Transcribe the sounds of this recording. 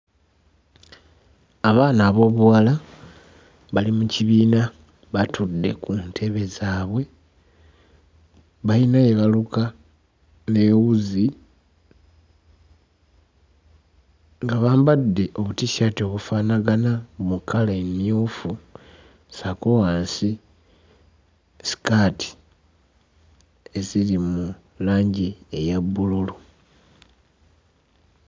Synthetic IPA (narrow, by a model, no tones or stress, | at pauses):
aβaːnaːβo̞ːβuwala | βalimuciβiːna | βatʰudːe̞̰kuntʰe̞βe̞zaːβwe̞ | βainajeβaluka | ne̞wuzi | ŋɡaβaːmbadːe̞ʔo̞βutiʃaːtio̞βufaːnaɡanamukʰalaemjoːfu | sakowaːnsi | si̥kaːti̥ | e̞zilimu | laːɲɟiejabːululu